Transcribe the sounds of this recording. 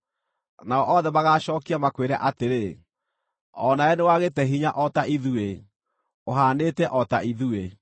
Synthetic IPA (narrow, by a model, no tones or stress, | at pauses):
naɔʔɔðɛmaɣaːɕɔːkiamakweɾɛ̰ʔateɾe | ɔnaɛnewaɣetɛɦiɲaʔɔtaʔiðue | oɦaːneːtɛʔɔtaʔiðue